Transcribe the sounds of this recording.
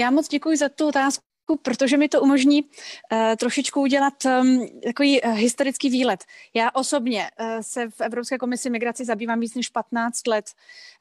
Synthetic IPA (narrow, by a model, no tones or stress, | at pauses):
jaːmot͡sɟɛkujɪzat̪uot̪aːs | kupɾot̪oʒɛmɪt̪o̞ʔumo̞ʒɲiː | t̪ɾo̞ʃɪt͡ʃkuuɟɛlat̪t̪ako̞viːɦɪst̪o̞ɾɪt͡skiːviːlɛt̪jaːʔo̞so̞bɲɛsɛfɛvɾopskɛːko̞mɪsɪmɪɡɾat͡sɪzabiːvaːmviːt͡snɛʃpat̪naːt͡st̪lɛt̪